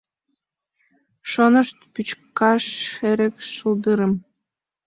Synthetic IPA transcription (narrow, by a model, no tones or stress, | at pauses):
ʃonəʃt̪pyt͡ɕkɑʃeɾĕkʃuld̪ɯɾə̆m